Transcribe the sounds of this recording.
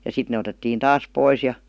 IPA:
jɑ sit ne otetːiːn tɑːs pois jɑ

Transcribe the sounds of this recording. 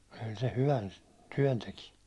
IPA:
kyl se hyʋæn tyæ̹n teki

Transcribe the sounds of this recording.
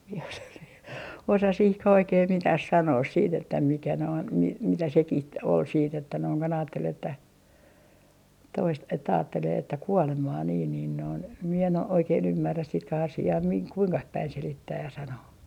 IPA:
mie osɑ siː osɑ sihkæh oikeː mitæh sɑnoːs siːt etːæ mikæ noin mi mitæ sekih ol siːt etːæ noiŋ kon ɑːtːel etːæ toist etːæ ɑːtːeleː etːæ kuolemɑː niːn niːn noin mie en o oikeːn ymːærːæ sitkæhɑsiɑː miŋ kuiŋkɑh pæin selitːæːj jɑ sɑnoː

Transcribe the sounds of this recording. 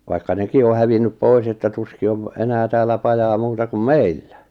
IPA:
ʋɑikːɑ neki o hæʋinːyp pois etːæ tuski oʋ enæː tæːlːæ pɑjɑː muːtɑ kum meilːæ

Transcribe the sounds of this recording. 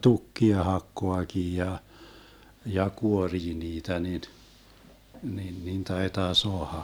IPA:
tukːiɑ hɑkːoɑkiː jɑ jɑ kuoriː niːtæ nin nin nin tɑitɑː soɑhɑ

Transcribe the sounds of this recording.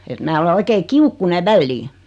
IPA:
et mæː ole oikeː kiukːuneʋ̆ ʋælːiː

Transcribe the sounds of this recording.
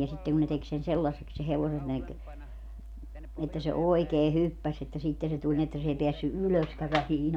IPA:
jɑ sitːeŋ kun ne tek sen selːɑsːeks se heʋosen ne k etːæ se oikeː hypːæs etːæ sitːe se tulʲ ni etːæ s ei peæsːy yløskæ ʋæhiːn

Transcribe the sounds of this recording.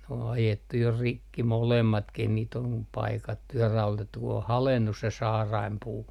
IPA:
n o ɑjetːu jo rikːi molemːɑtkih niːt om pɑikɑtːu jɑ rɑulotetːu ku o hɑlenːus se sɑːrɑimpuː

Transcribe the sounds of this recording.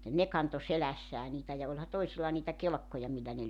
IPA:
ne kɑnto selæsːæː niːtæ jɑ olʲhɑ toisilːɑ niːtæ kelĕkːojɑ milːæ ne

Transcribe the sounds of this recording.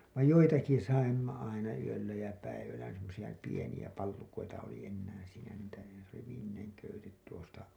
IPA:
ʋɑij joitɑki sɑimːɑ ɑinɑ yølːæ jæ pæiʋælːæ semːosij̆ɑ pienij̆æ pɑlːukoitɑ oli enːæːn̞ siːnæ niːtæ s oli ʋiːmːineŋ køytet tuostɑ

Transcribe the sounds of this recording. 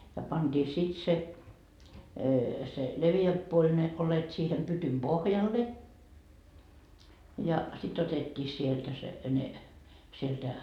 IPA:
jɑ pɑnd̥iː sit se se leʋiæmp puolʲ ne olet siːhem pytym b̥ohjɑlːe jɑ sit otetʲːiː sieltæ se ne sieltæ

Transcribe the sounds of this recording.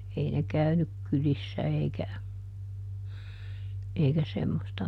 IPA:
ei ne kæynyk kylisːæ eikæ eikæ semːostɑ

